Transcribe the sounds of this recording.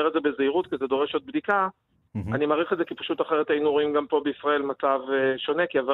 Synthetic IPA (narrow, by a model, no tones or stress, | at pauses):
eʁetzebezeiʁutkized̪o̞ʁeʃo̞d̪̚bd̪ika | animaʁiχetzekipaʃut̪aχeʁet̪ajinuʁoimɡampo̞beisʁae̞lmat͡saveʃo̞ne̞kiava